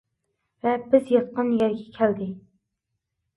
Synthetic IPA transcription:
vɛbɪzjɑt̪̚qənjɛɾɡʲɛkʲʰɛld̪ɪ

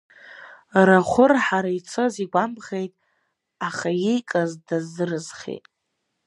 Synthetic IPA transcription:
raχʷʊrħaɾait͡sʰoziɡʷambχe̞jtʼ | aχajejkʼazdazːɨrɨzχḛjtʼ

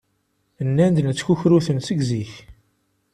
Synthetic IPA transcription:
ənːænd̪nət͡sːçuçɾuθənsəɡziç

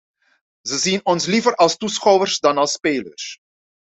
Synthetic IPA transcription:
zəzinɔnslivərɑlˠstusχɔwərsdɑnɑlˠspeːlə̰rs

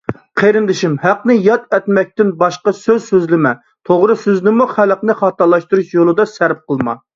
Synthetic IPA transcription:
qʰeɾɪnd̪ɪʃimɦæqnɪjɑt̪ɛt̪mɛk̚ʲt̪ɪnbɑʃqɑsøzsøzlɪmɛ | t̪ʰoʁɾɨsøznɪmuχælˠəqnɨχɑːt̪ɑlˠɑʃt̪uɾuʃjolˠɨd̪ɑsæɾp̚qəlˠmɑ̰

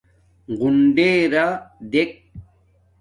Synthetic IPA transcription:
ɡunɖeːɾad̪ek̚

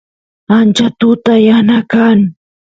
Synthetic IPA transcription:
ant͡ʃat̪ʊt̪ajanakaŋ

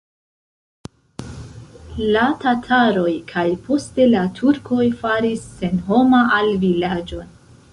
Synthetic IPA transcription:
latatʰaɾo̞jkʰajpʰo̞ste̞latʰuɾkʰo̞jfaɾisːe̞nɦo̞maʔalvilad͡ʒo̞n

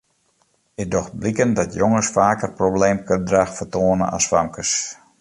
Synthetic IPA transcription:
ɪk̚dɔxt̚blikəndɔtʰjoŋəsfaːkərprobleːmkøndraxfərtoːənə̰na̰sfamkəs

